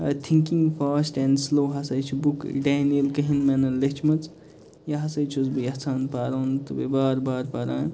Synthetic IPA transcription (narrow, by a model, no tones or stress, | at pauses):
ɐ̰t̪ʰiŋkiŋɡfaːsʈɛ̃ɳɖsloːɦɐsɐjt͡ʃʰibukɖaːnijəlkɐɦinmɛnɐlet͡ʃʰmɐt͡s | jɐɦɐsɐjt͡ʃʰozbiɐt͡sʰaːnpaːɾoːnt̪ɨbibaːɾbaːɾpaɾaː